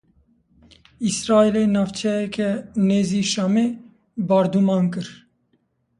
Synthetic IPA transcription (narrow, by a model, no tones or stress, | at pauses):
isɾɑːelenɑːvt͡ʃʰɛjɛkʰɛneːziːʃameː | bɑːɾd̪umɑːnkɨɾ